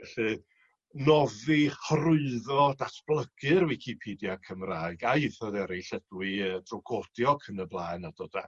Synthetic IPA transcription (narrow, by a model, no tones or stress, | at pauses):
ɛɬɨ | nɔðihərʊɨðɔdasb̥lˠəɡ̥ɨɾwɪkʰipʰiːdjakʰəmraːɨɡaɨθɔðɛɾiɬɛdwɨəd̥rɔɡɔd̥jɔkʰənəblˠaːnad̥od̥a